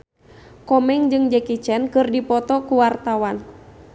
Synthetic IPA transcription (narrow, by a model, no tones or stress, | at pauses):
kɔmɛŋd͡ʒɨŋd͡ʒɛkit͡ʃɛnkɨrdipɔt̪ɔkuwart̪awan